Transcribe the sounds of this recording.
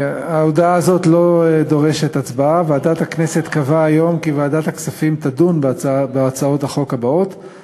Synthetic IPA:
aod̪aaːzo̞tlo̞ed̪o̞ʁe̞ʃet̪at͡sbaavaaːdat̪hakneset̪kavaːjo̞mkivaːdat̪haksafimt̪adunbbeat͡sao̞thaχo̞kabao̞t̪

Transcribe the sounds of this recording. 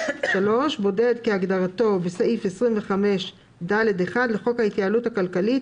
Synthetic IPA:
ʃalo̞ʃbo̞ded̪keaɡdaʁato̞besaʔife̞sʁimveχame̞ʃ | daledeχad̪leχo̞khait̪jaːluthakalkalit

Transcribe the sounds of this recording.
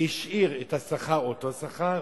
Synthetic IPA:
iʃʔiʁethasaχaʁotosaχa

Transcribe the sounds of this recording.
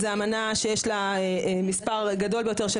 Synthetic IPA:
zeamanaʃejeʃlaemispaʁɡado̞lbe̞jo̞te̞ʁʃe

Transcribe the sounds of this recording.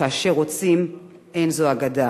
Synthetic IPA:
aːʃe̞ʁo̞t͡sim | ʔenzoaɡada

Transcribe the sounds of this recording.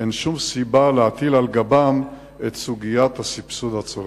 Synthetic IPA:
enʃumsibaleat̪ilalɡabam | et̪suɡijat̪hasipsud̪hat͡soʁ

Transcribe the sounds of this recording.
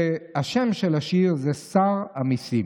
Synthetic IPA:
aʃemʃelaʃiʁzesaʁamisim

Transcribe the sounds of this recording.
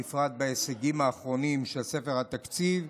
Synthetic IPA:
ifʁad̪̚baeseɡimaːχʁo̞nimʃe̞lse̞feʁhat̪akt͡siv

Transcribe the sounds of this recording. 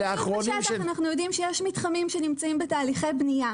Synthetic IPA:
eaχʁonaanaχnujo̞dimʃejeʃmitχamimʃenimt͡saimbetaːliχejbnija

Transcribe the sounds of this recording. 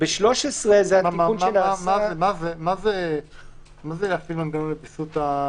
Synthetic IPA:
beʃlo̞ʃesʁezehatiaunenaasmaaemazemaze | mazeafiluanɡanomlebisut̪a

